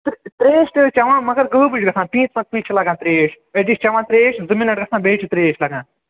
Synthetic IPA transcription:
t̪ɾt̪ɾeːʃʈɨt͡ʃɐʋãːmɐɡɐɾɡɐubɨt͡ʃɡɐsãːpĩːt͡smɐk̚pĩːt͡ʃʰilɐɡãːt̪ɾeːʃ | eʈiʃt͡ʃɐʋãːt̪ɾeːʃzɨminɐʈɡɐsãːbeːt͡ʃʰit̪ɾeːʃlɐɡãː

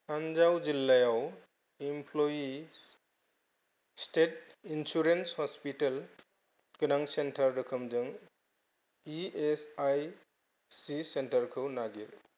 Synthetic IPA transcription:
hand͡ʒawd͡ʒilːɐjaw | impʰloji | stet̚insuɾenshɔspitel | kɯnaŋsentʰɐɾːɯkʰɯmd͡ʒɯŋ | iesaj | sisentɐɾkʰɯwnaɡiɾ

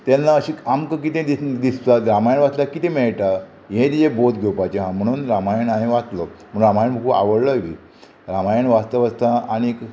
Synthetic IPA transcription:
t̪anːaəɕikamkəkit̪ẽd̪id̪ist̪at̪ɾamajəɳʋat̪lakit̪ẽmɛɭʈa | jẽt̪d͡ʑebot̪ɡʱewpat͡ɕeɦãm̤əɽ̃uːnɾamajəɳaɦẽʋat̪lɔm̤əɽ̃ɾamajəɳbʱəkua̰ʋəɽləʋi | ɾamajəɳʋast̪əʋəd͡zt̪aañik

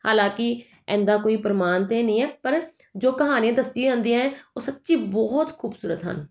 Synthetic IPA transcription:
ha̰ːlãːkɪ | ɛ̰̃ːnd̪aːkoːiːpɾəmaːnt̪ẽːnĩːɛːpəɾ | d͡ʒoːkəɦaːniãːd̪əst̪iãːnd̪iːãɦɛ̃ːoːsətːʃiːbɔːt̪kʰuːbsuːɾət̪ɦə̰n

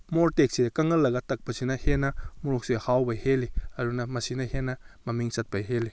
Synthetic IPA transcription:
mɔɾtek̚sikɐŋɐlːɐɡɐtɐk̚pɐsinɐhenɐmuɾuk̚sehawbɐjheliɐɾunɐmɐsinɐhenːɐmɐmiŋsɐt̚pʰajɦeli

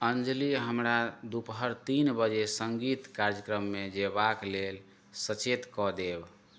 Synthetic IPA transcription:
ənd͡ʒliɦəmɾad̪upɦəɾt̪inbəd͡ʒesəŋɡit̪kaɾd͡ʒəkɾəmːed͡ʒebaklel | sət͡ʃet̪kɔd̪eb

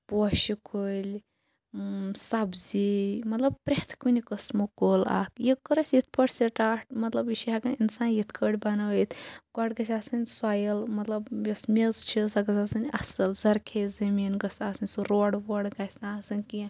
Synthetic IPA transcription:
poʃikʰolʲ | sɐbzimɐt̪lɐb̚pɾeht̪ʰkunʲikəsmukola̰ːkjikəɾɐsʲjit̪̚ʰpɐʈsiʈaːʈ̚mɐt̪lɐbiʃiɦɐɡɐninsaːnjit̪ʰkʰəɽʲbɐnɐit̪ʰɡɔɽɡɐsʲaːsɐnʲsajəlmɐt̪lɐbjɐsmizt͡ʃʰisɐɡɐsaːsɨnʲɐ̰sɐlzɐɾkʰezɐmiːnɡɐsasɨnʲsɨɾoːɽʋoɽɡasʲnaːsɨnʲki

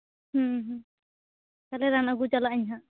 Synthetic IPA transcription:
hə̃ɦə̃ | kalɛɾanaɡut͡ʃalaəɲɦa

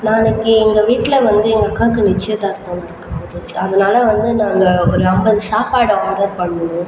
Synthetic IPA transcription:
naːnɯkːɯɛŋɡɐʋiːʈːɪlɐʋɐnd̪ɯɛŋɡɐɐkːaːkːɯnɪt͡ʃːɐjɐt̪aːɪɾt̪ːõnɐɽɐkːɐpoːðɯɯɐðɐnaːlɐʋɐnd̪ɯnaːŋɡɐɔɾɯɐmbɐðɯsaːfaːɽɐaːɖɐɾpɐɳːɯnɯ̃

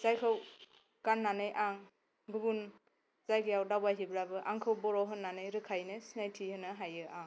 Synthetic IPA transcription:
z̥ajkʰɯw | kanːanɯjʔaŋ | bɯɡun | z̥ajkʰɯjawdawbajɦiblabɯʔaŋkʰɯwbɔɾɔɦɯnːanɯjɾɯkʰajnɯsinajtʰihɯnɯɦajɯaŋ

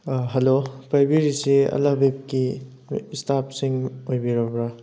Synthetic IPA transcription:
ɦɐlopajbiɾisiɐ̰labip̚ki | istʰapsiŋojbiɾabɾa

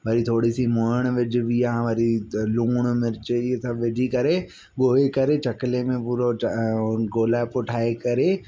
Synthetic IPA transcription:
ʋɐɾit̪ʰoːɽisimoəɽ̃ʋɪd͡ʒʋiaãʋɐɾilũːɽ̃mɪɾt͡ʃeesɐbʋɪd͡ʒʱikɐɾe | ɡoːekɐɾet͡ʃɐklemẽpuːɾo | ɡoːlɛːpʊʈʰaːekɐɾeː

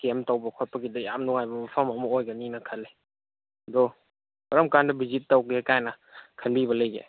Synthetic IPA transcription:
kemtawbɐkʰot̚pɐɡidɐja̰mnuŋajbɐmɐpʰɐmɐmɐojɡɐninɐkʰɐle | ɐdɔ | mɐɾɐmkandɐbizitːawɡekajnɐ | kʰɐnbibɐlɐjɡḛ

